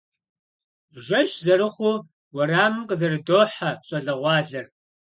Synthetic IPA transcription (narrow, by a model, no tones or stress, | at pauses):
ʒɐʃzɐɾɨχʷʊ | wɐraːmɨmqəzɐrɨdoːħaɕʼɐɮɐʁʷɑːɮɐr